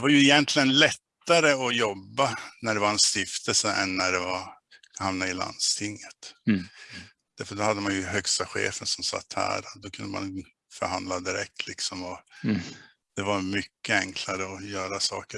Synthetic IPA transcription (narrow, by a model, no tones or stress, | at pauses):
d̪ɛvaɾjɵɪjɛnt̪ʰlɪɡənlɛt̪ːaɾəɔjɔbːanæɖɛvaɾɛnst̪ɪft̪ʰəlsəʔɛnːæɖɛvaɾ | hamnaɪla̰nd̪st̪ʰɪŋːət̪ | d̪̥æɾfœʈ̚d̪ɔhad̪ːəmanjɵɦœkst̪aɧḛːfənsɔmsa̰t̪ːhæ̰ːɾɔt̪̚d̪ɔkʰɵnd̪əma̰n | fœɾhand̪lad̪ɪɾɛk̚t̪ʰlɪksɔmɔ | d̪̥ɛvaɾmʏkːəɛŋkʰlaɾəɔjœːɾasɑ̰ːkə